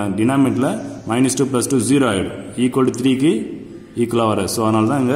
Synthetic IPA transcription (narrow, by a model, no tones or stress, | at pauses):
ɖɪnaːmɪʈlɐmɐɪnɐsʈuːp̬lɐsʈuziːɾoːɐɽiːkolɖt̪ɾiːkːɯ | iːkɯlaːʋɐɾɐsoːɐðɐnaːlɐt̪ãːɪŋɡɐ